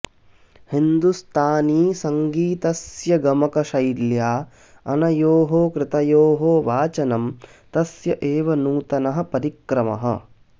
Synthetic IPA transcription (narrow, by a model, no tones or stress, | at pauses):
hind̪ust̪ʰaːniːsɐŋɡiːt̪ɐsjɐɡɐmɐkɐʃɐjljaː | ɐnɐjoːɦoːkɾɪt̪ɐjoːɦoːʋaːt͡ʃɐnɐm | t̪ɐsjɐʔeːʋɐnuːt̪ɐnɐɦɐ̆pɐɾikɾɐmɐ̰ɦɐ̰